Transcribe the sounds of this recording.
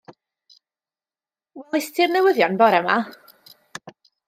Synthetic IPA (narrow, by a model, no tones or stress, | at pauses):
wɛlˠɪstʰɪrnɛwəðjɔnbɔɾɛma